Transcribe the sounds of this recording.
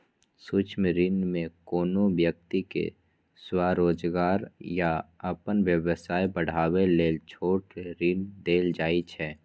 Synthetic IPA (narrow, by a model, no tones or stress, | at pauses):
suːt͡ʃʰmɾinmẽkoːnoʋjək̚t̪ikḛ | swaːɾoːd͡ʒɡaːɾjaəpənʋjəʋəsaːibəɽ̤aːweleːlt͡ʃʰoːʈeɾind̪eːld͡ʒaːit͡ʃʰɛː